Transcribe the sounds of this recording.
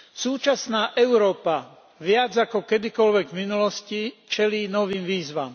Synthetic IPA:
suːt͡ʃasnaːʔɛʊɾɔːpa | ʋɪad͡zakɔkɛd̪ikɔlʋɛɡminulɔscit͡ʃɛliːnɔʋiːmʋiːzʋam

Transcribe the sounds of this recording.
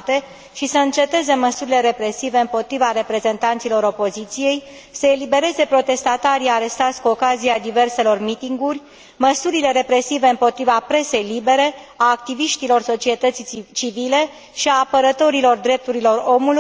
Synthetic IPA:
t̪e̞ | ʃisəɨnt͡ʃe̞t̪e̞ze̞məsuɾile̞ɾe̞pɾe̞sive̞ɨmpo̞t̪ɾivaɾe̞pɾe̞ze̞nt̪ant̪silo̞ɾo̞po̞zit̪sije̞j | səe̞libe̞ɾe̞ze̞pɾo̞t̪e̞st̪at̪aɾiaɾe̞st̪at̪sʲkuokazijad̪ive̞rse̞lo̞rmit̪iŋɡurʲ | məsuɾile̞ɾe̞pɾe̞sive̞ɨmpo̞t̪ɾivapɾe̞se̞jlibe̞ɾe̞ | aːk̚t̪iviʃt̪ilo̞rso̞t͡ʃie̞t̪ət̪sit͡ʃivile̞ | ʃiaːpəɾət̪o̞ɾilo̞rd̪ɾe̞p̚t̪uɾilo̞ro̞mulu

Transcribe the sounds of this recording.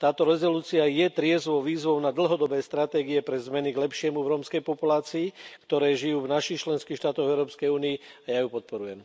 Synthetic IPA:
t̪aːt̪ɔɾɛzɔluːt͡siajɛt̪ɾɪɛzʋɔʊʋiːzʋɔʊnad̪l̩ɦɔd̪ɔbɛːst̪ɾat̪ɛːɡiɛpɾɛzmɛniɡlɛpʃɪɛmuvɾɔmskɛjpɔpulaːt͡siːkt̪ɔɾɛːʒijuːvnaʃixt͡ʃlɛnskiːxʃt̪aːt̪ɔɣɛʊɾɔːpskɛjuːniiajajupɔt̪̚pɔɾujɛm

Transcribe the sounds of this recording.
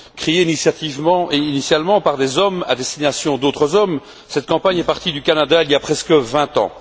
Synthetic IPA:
kχeeinisjat̪ivmɑ̃ʔeinisjalmɑ̃paʁd̪ezɔma̰d̪est̪inasjɔ̃d̪ot̪χəzɔm | sɛt̪̚kɑ̃paɲɛpaʁt̪id̪ykanad̪ailjapχɛskəvɛ̃t̪ɑ̰̃

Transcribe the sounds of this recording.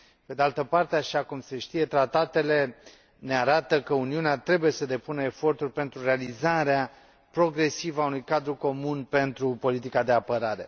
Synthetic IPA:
pe̞d̪ealt̪əpart̪eaʃakumse̞ʃt̪ije̞t̪ɾat̪at̪e̞le̞ | ne̞aɾat̪əkəuniuneat̪ɾe̞buje̞səd̪e̞punəefo̞rt̪urʲpe̞nt̪ɾure̞alizaɾea | pɾo̞ɡɾe̞sivəaunujkad̪ɾuko̞munpe̞nt̪ɾupo̞lit̪ikad̪e̞apəɾaɾe̞̰

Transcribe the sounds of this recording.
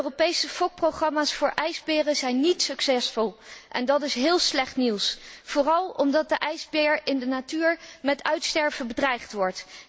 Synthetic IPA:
øropejsəfɔk̚prowχrɑmaːsfʊːɹʔɛjzbɪːrəzɛjnːitsɵksɛsfɔlˠʔɛ̰ndɑtɪsɦɪːlˠslɛχtniwsv̥ʊːrɑlˠɔmdɑt̚dəʔɛjzbɪːɹɪndənatyːɹmɛtœɥtstɛɹvəbədrɛjχtʋɔɹt

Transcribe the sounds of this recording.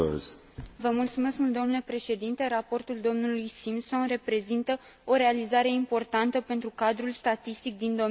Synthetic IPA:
z | vəmult̪sume̞skmult̪o̞mnule̞pɾe̞ʃe̞d̪int̪e̞ɾapo̞rt̪uld̪o̞mnulujsimso̞nre̞pɾe̞zint̪ə | o̞ɾe̞alizaɾe̞impo̞rt̪ant̪əpe̞nt̪ɾukad̪ɾulst̪at̪ist̪ik̚d̪ind̪o̞

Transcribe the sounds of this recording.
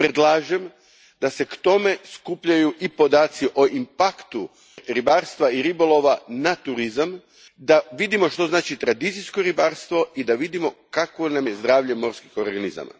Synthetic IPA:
pɾe̞d̪lˠaːʒem | d̪ase̞kt̪o̞me̞skupʎajuʔipo̞d̪aːt̪siʔoʔimpakt̪u | ɾibaːɾst̪ʋaiɾibo̞lˠo̞ʋanat̪uɾizam | d̪aʋid̪imo̞ʃt̪o̞znaːt͡ʃit̪ɾad̪it̪sijskoɾibaɾst̪ʋo̞id̪aʋid̪imo̞kakʋo̞namje̞zd̪ɾaːʋʎe̞mo̞ɾskixoɾɡaniza̰ma̰

